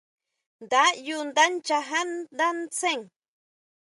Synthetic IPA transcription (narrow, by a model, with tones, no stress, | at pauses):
nd̪a˦jund̪a˦nt͡ʃaɦa˦nd̪a˦nt͡se˦ŋ